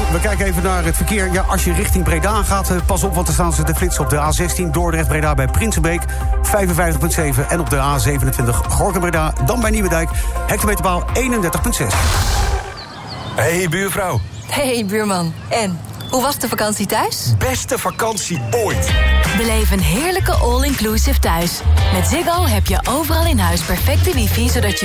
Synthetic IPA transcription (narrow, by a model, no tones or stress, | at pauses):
ʋəkɛjkənejvənaːɹɦətfəɹkɪːɹjaʔɑʃjərɪχtɪŋbrejdaːχaːt | pɑs̬ɔpʋɑntəɹstaːnzədəflɪtsɔb̚dəaːzɛstindʊːɹdrɛχd̚brejdaːbɛjprɪnsəbejk | fɛjvənvɛjftəχpɵntsejvənʔɛnɔb̚dəʔaːzejvənəntʋɪntəχχɔɹkənbrejdaːdɑnbɛjniʋədœɥkhɛk̚təmejtəɹbaːlˠejnəndɛɹtəχpɵntsɛs | hejbyːɹvrɔw | hejbyːɹmɑn | ɛn | huʋɑsdəfakɑnsitœɥsbɛstəfakɑnsiojtbəlejvənɦɪːɹləkəʔɔlˠɪŋklusɪftœɥsmɛtzɪɡɑlˠɦɛpjəʔowvərɑlˠɪnɦœɥspɛɹfɛk̚tədifisodɑtə